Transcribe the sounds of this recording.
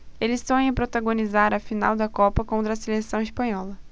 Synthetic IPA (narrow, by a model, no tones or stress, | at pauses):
elɪzt̪ɐ̃w̃ẽpɾot̪aɡonizaɾɐfina̰wd̪ɐkɔpɐkõnt̪ɾɐselesɐ̃w̃ispɐ̃ɲɔlɐ